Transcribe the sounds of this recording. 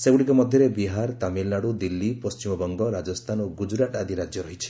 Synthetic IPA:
sebuɽikɔmɔd̪ʱjɔɾebiɦaɾt̪amilnaɽud̪ilːipɔst͡ʃimɔbɔŋɡɔɾad͡ʒɔst̪ʰanɔɡud͡ʒɾaʈad̪ʱiɾad͡ʒjɔɾɔɦit͡ʃʰi̥

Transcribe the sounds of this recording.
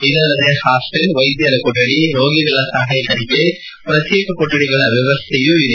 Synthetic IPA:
id̪ɐlːɐɾehaːselʋɐjd̪jɐɾɐkoʈːɐɽiɾoːɡiɡɐɭɐsɐɦɐjt̪ɐɾike | pɾɐt̪jeːkɐkoʈːɐɽiɡɐɭɐʋjɐʋɐst̪ʰejuiɾ

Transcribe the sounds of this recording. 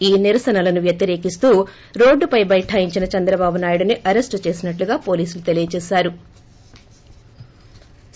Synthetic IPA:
iːniɾɐsɐnɐlɐnuʋjɐt̪jɐɾe̞ːkist̪uː | ɾo̞ːɖːupɐjbɐjʈʰaːjiɲt͡ʃinɐt͡ʃɛnd̪ɾɐbaːbunaːjuɽuniʔɐɾe̞sʈt͡ʃe̞ːsinɐʈluɡaːpo̞ːliːsulut̪e̞lijɐt͡ʃɛːʃaːɾu

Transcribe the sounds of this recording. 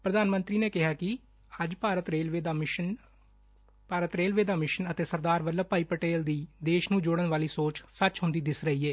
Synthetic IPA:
pɾəd̪aːnmənt̪ɾiːneːkɪɦaːkɪ | əd͡ʒpaːɾət̪ɾeːlʋeːd̪aːn | paːɾət̪ɾeːlʋeːd̪aːmɪʃənət̪eːsəɾd̪aːɾʋəlləpaːiːpəʈeːld̪iːd̪eːʃnũːd͡ʒoːɽənʋaːliːsoːt͡ʃsət͡ʃɦʊ̃nd̪iːd̪ɪsɾəɦiːeː

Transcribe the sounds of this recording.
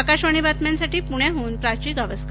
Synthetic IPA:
kaɕʋaɽ̃ibat̪mjansaʈiːpuɽ̃jaɦoːnpɾat͡ɕiːɡʱaʋəsk

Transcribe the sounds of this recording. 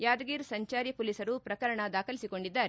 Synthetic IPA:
jaːd̪ɐɡiːɾsɐɲt͡ʃaːɾjɐpulisɐɾupɾɐkɐɾɐɳɐd̪aːkɐlisiko̞ɳɖid̪ːaːɾe

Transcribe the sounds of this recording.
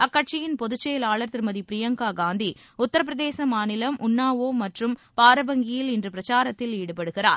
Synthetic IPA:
ɐkːɐʈ̚t͡ʃɪjɪnpɔðɯt͡ʃːɐjɐlaːɭɐɾt̪ːɪɾmɐðipɪɾɪjɐŋɡaːɡaːnd̪i | ʊt̪ːɐɾɐp̬ɪɾɐðeːsɐmaːnɪlɐmʔʊnːaːʋoːmɐʈrɯmpaːɾɐbɐŋɡɪjɪlɪndrɯpɪɾɐt͡ʃaːɾɐt̪ːɪliːɽɯpɐɽɯɣɪra̰ːɾ

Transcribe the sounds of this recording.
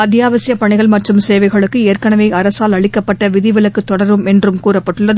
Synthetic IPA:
ɐt̪jaːʋɐsɪjɐpɐɳɪɣɐɭmɐʈrɯmseːʋɐɪɣɐɭɯkːɯeːrkɐɳɐʋɐɪɐɾɐsaːlɐɭɪkːɐpːɐʈːɐʋɪðɪʋɪlɐkːɯt̪ːɔɽɐɾʋɯmɛndrɯmkuːrɐppːɐʈːɯɭːɐð

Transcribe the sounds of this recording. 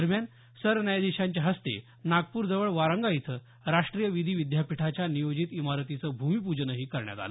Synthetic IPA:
əɾmjan | səɾnəjad̪iɕaɲt͡ɕjaɦəst̪ḛ | naɡ̚puːɾd͡zəʋəɭʋaɾəŋɡait̪ʰə | ɾaʂʈɾijəʋid̪ʱiːʋid̪japiʈʰat͡ɕjanijod͡ʑit̪imaɾt̪it͡səːbʱumipud͡ʑnəɦiːkəɾɳja̰t̪a̰lə

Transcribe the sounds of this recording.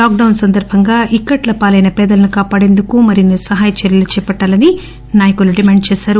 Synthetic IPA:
laːk̚ɖɐwnsɐnd̪ɐɾbʱɐŋɡaːʔikːɐʈlɐpaːlɐjnɐpɛːd̪ɐlɐnukaːpaːɽe̞nd̪ukumɐɾinisɐɦaːjɐt͡ʃɐɾjɐlut͡ʃɛːpɐʈːaːlɐni | naːjɐkuluɖimaːɳɖt͡ʃɛːsaːɾu

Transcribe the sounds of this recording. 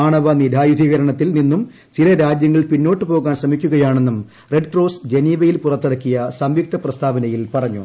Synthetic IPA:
aːɳɐʋɐnid̪ʱaːjud̪ʱiːɣɐɾɐɳɐt̪ːilninːum | t͡ɕilɐɾaːd͡ʑjɐŋːɐɭpinːo̞ːʈːɨpo̞ːɣaːnɕrɐmikʲːuɣɐjaːɳe̞nːum | reɖkro̞ːsd͡ʑe̞niːʋɐjilpurɐt̪ːeɽɐkːijɐsɐmʋik̚t̪ʰɐprɐst̪ʰaːbɐnɐjilpɐrɐɲːṵ

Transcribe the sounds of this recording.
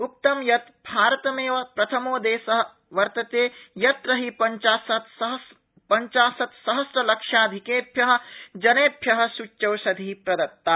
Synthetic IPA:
uk̚t̪ɐmjɐt̪bʱaːɾɐt̪ɐmeːʋɐpɾɐt̪ʰɐmoːd̪eːsɐɦ̆ | ʋɐɾt̪ɐt̪eːjɐt̪ɾɐɦipɐɲt͡ʃaːsɐt̪ɦ | pɐɲt͡ʃaːsɐt̪sɐɦɐsʈɾɐlɐkʂjaːd̪ʱikeːpjɐɦɐ̆d͡ʒɐneːpʰjɐɦɐ̆sut͡ʃːɐwsɐd̪ʱipɾɐd̪ɐt̪ːa

